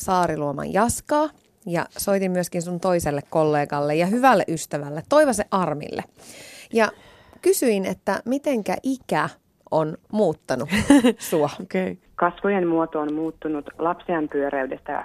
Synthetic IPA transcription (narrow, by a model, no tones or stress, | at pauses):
sɑːɾiluomɑ̰jjɑskɑː | jɑ̰soit̪imːyøskinsunt̪o̞iselːekkːolːe̞ːɡɑlːejɑɦyʋælːḛʔyst̪æʋælːet̪ːo̞iʋɑseʔɑrmḭlːḛjɑ | kysyinet̪ːæmit̪eŋkæ̰ʔikæ | ʔonmuːt̪ːɑnusuookei | kɑsʋojemmuot̪oːnmuːt̪ːunut̪lɑpsiɑmpyøɾæydest̪æ̰